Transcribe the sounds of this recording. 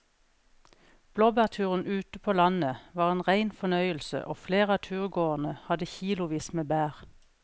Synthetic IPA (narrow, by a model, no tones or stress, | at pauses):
b̥loːbæːʁt̪ʰʉːʁənʔʉːt̪əpʰoːlɑnəʋɑːʁeːnʁæɪnfɔnœʏəlsə̰ʔoːfleːʁəɑːt̪ʰʉːʁɡoːənəhɑd̪əçiːlʊʋiːsmeːbæːʁ